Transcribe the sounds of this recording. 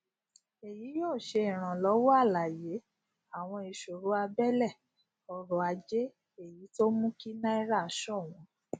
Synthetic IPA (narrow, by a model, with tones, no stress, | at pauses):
e˨ji˨˦joː˦˨ʃe˧i˨ɾ̃ã˨lɔ˨˦wɔ˦a˦˨la˨je˨˦ | a˨w̃ɔ̃˧i˧˨ʃo˨ɾu˨˦a˧bɛ˦lɛ˦˨ | ɔ˧ɾɔ˨a˧d͡ʒe˦ | e˨ji˨˦to˦mũ˦ki˦nã˦i˦ɾa˦˨˦ʃɔ˦˨w̃ɔ̃˨˧˦